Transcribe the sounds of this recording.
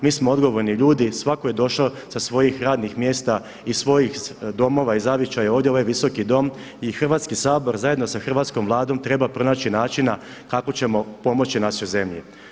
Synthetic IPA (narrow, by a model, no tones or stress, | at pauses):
miːsmoo̞d̪ɡo̞ʋo̞ɾniʎuːd̪isʋako̞je̞d̪o̞ʃao | sasʋo̞jixɾaːd̪nixmje̞ːst̪a | isʋo̞jixd̪o̞mo̞ʋaizaʋjet͡ʃajeo̞ːʋd̪jeo̞ʋajʋiso̞kid̪o̞m | ixr̩ʋaːt̪skisaːbo̞ɾzajed̪nosaxr̩ʋaːt̪sko̞mʋlˠaːd̪o̞mt̪ɾe̞bapɾo̞naːt͡ɕinaːt͡ʃina | kako̞t͡ɕe̞mo̞po̞mo̞t͡ɕinaʃojze̞mʎḭ